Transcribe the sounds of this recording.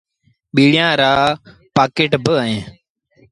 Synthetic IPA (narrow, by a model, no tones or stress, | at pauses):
ɓiːɽɪjãːɾaː | paːkeːʈbəəẽː